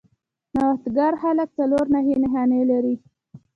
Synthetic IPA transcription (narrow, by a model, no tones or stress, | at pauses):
nawxt̪ɡaɾhalək̚t͡saloɾnaɦenɪɦanelaɾi